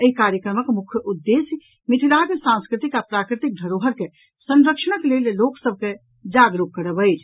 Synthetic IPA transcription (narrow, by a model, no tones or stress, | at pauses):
əɦikaɾjəkɾəməkmukʰjəʔud̪ːes | mit̪ʰilakesãnskɾit̪ikapɾakɾit̪ik̚d̪ʱəɾoɦəɾke | sə̃nɾəkʃənəklelloksəb̚ʱke | d͡ʒaɡɾukːəɾəbəjt͡ʃʰ